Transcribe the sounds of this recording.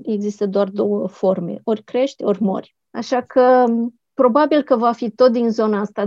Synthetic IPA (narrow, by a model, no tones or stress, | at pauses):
e̞ɡzist̪əd̪oard̪o̞wəfo̞rme̞̰o̞rʲkɾe̞ʃt̪ʲo̞rʲmo̞̰rʲ | a̰ʃakʰə | pɾo̞babilkəvafit̪o̞t̪̚d̪inzo̞naast̪a